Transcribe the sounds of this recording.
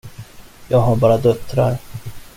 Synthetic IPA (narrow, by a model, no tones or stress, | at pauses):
jɑːɡɦaɾbɑːɾad̪œt̪ːɾa̰ɾ